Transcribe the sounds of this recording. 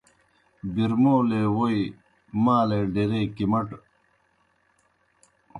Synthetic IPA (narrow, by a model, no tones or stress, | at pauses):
biɾmoːlewoj | maːleɖiɾekimɐʈ